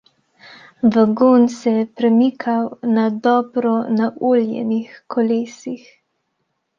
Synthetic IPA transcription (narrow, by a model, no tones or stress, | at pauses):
bəɡunsɛjɛpɾɛmiːkʰawnad̪ɔːbɾɔnaʔuːljɛ̰nixkɔleːsix